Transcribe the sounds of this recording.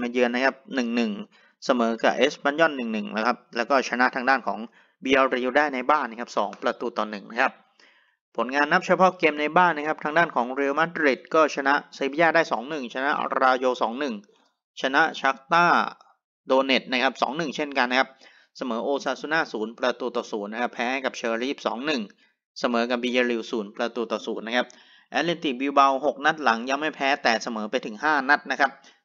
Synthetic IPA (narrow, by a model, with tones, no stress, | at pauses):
maː˧jɯː˧ənːa˥kʰa˦˥p̚nɯ˨˩ŋnɯ˨˩ŋ | sa˧mɤː˩˦ka̰˨˩ʔeː˦˥spa˧˥njɔ˥˩nːɯ˨˩ŋnɯ˨˩ŋa˦˥˩kʰa˦˥p̚lɛː˦˥wkɔː˥˩t͡ɕʰa˧na˦˥ʔt̪ʰaː˧ŋdaː˥˩nkʰɔ̰ː˩˦ŋ | biː˧ʔa˧wɾiː˧wdaː˥˩jna˧jbaː˥˩nːa˦˥˩kʰa˦˥p̚sɔ̰ː˩˦ŋpɾa˧t̪uː˧˩t̪ɔː˨˩nːɯ˨˩ŋna˦˥kʰa˦˥p̚ | pʰːo˩˦nŋaː˧nːa˦˥p̚t͡ɕʰa˧pʰɔ˦˥keː˧mna˧jbaː˥˩nːa˥kʰa˦˥pt̪ʰa˧ŋdaː˥˩nkʰɔː˩˦ŋɾi˧wma˦˥t̪ɾi˨˩t̪̚kɔː˥˩t͡ɕʰa˧na˦˥ʔsa˧˦p̚ʰjaː˥˩daː˥˩jsɔː˩˦ŋnɯ˨˩ŋt͡ɕʰa˧na̰˦˥ʔɾaː˧joː˧sɔ̰ː˩˦ŋnɯ˨˩ŋ | t͡ɕʰa˧na˦˥ʔt͡ɕʰa˦˥k̚t̪aː˥˩ | doː˧ne˨˩t̪̚na˦˥kʰa˦˥p̚sɔ̰ː˩˦ŋnɯ˨˩ŋt͡ɕʰe˥˩nka˧nːa˥kʰa˦˥p̚ | sa˧mɤː˩˦ʔoː˧saː˧˩su˧naː˥˩suː˩˦npɾa˧t̪uː˧˩t̪ɔː˨˩suː˩˦nːa˦˥kʰa˦˥pʰɛː˦˥ha˥˩jka˨˩p̚t͡ɕʰeː˧ɾiː˦˥˩p̚sɔ̰ː˩˦ŋnɯ˨˩ŋ | sa˧mɤː˩˦ka˧˩biː˧jaː˧ɾi˧wsuː˩˦npɾa˧t̪uː˧˩t̪ɔː˨˩suː˩˦nːa˦˥kʰa˦˥p̚ | ʔɛː˦˥li˧nt̪i˨˩biː˧wba˧who˨˩k̚na˦˥t̪̚la˩˦ŋja˧ŋma˥˩jpʰɛː˦˥t̪ɛː˨˩sa˧mɤː˩˦pa˧jt̪ʰɯ˩˦ŋɦaː˥˩na˦˥t̪̚na˦˥kʰa˦˥p̚